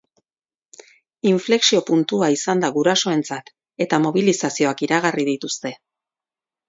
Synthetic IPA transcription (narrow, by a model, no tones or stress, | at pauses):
iɱfle̞ksio̞punt̪uaisand̪aɣuɾaso̞e̞nt͡sat̪ | e̞t̪amo̞β̞ilisasio̞akiɾaɣ̞ariðit̪ust̪e̞